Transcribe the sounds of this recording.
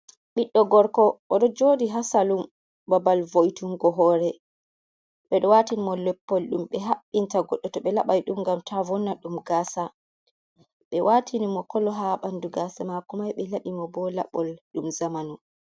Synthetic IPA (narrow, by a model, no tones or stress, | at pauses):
ɓiɗːɔɡɔɾkɔʔɔɗɔd͡ʒoːdiɦasalum | babalvojtuŋɡɔɦɔːɾɛ | ɓɛɗɔwatinimɔlɛpːɔlɗumɓɛɦaɓːintaɡɔɗːɔtɔɓɛlaɓajɗumɡamtʰavɔnːaɗumɡasa | ɓɛwʔatʰinimɔkɔlɔɦaɓanduɡasamakumajɓɛlaɗimɔbɔla̰ɓɔlɗumzamanu